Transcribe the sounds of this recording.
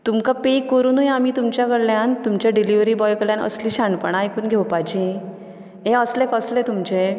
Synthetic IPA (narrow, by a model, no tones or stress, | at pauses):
t̪umkapekːəɾuːnujamiːt̪umt͡ɕjakəɽljant̪umt͡ɕjaɖiliʋɾiːbɔjkəɭljanə̰sliːɕaɳpəɳ̃ajkuːnɡʱewpajt͡ɕĩ | ɦẽəslekəslet̪umt͡ɕe